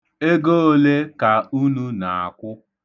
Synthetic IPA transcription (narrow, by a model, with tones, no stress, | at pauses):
e˦ɡo˦o˦le˦ka˨u˦nu˦na˨a̰˨kʷʊ˦